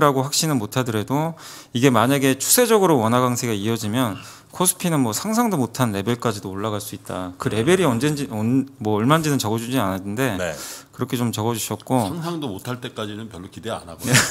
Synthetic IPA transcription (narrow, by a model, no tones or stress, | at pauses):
ɾaɡoɸwak̚ɕ͈inɯnmotʰadɯɾɦe̞do | iɡe̞maɲaɡe̞t͡ɕʰu̥sʰe̞d͡ʑʌɡɯɾowʌnɦaɡaŋsʰeɡaiʌd͡ʑimjʌn | kʰosʰɯ̥pʰinɯnmwʌsʰaŋsʰaŋdomotʰanɾe̞bjeɭk͈ad͡ʑidoːɭːaɣaɭs͈uit̚t͈a̰kɯɾe̞be̞ɾiʌnd͡ʑend͡ʑiʌnmwʌːɭmand͡ʑinɯnt͡ɕʌɡʌd͡ʑud͡ʑianatʰɯnde̞nekɯɾʌkʰet͡ɕomt͡ɕʌɡʌd͡ʑuɕʰʌt̚k͈oŋsʰaŋdomotʰaɭt͈e̞k͈ad͡ʑinɯnpjʌɭːokidea̰naboe